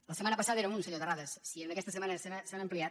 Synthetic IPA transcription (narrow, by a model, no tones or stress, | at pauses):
lɐsemãnɐpasaðɐeɾaunseʎoðeraðɐssiend̪ekest̪semaneseβaseaamplia